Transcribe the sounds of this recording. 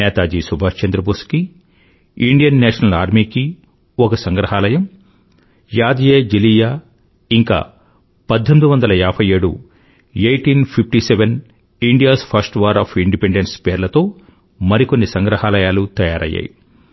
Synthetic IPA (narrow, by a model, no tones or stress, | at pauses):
nɛːt̪aːd͡ʒiːsubʱaːt͡ʃend̪ɾɐbuski | iɳɖijɐnːɛːʂɐnɐlaːɾmiːki | okɐsɐŋɡɾɐɦaːlɐjɐm | jaːd̪jeːd͡ʒilijaː | iŋka̰ː | pɐd̪ʱːend̪uʋɐnd̪ɐlɐjaːpʰɐjeːɽṵ | eːjʈiːnpʰipʰʈiseʋen | iɳɖijaːspʰɐɾsʈʋɐɾaːpʰiɳɖipeɳɖenspeːɾlɐt̪o̞ː | mɐɾiko̞nːisɐŋɡɾɐhaːlɐjaːlut̪ɐjaːɾʔɐ̰jːa̰ːji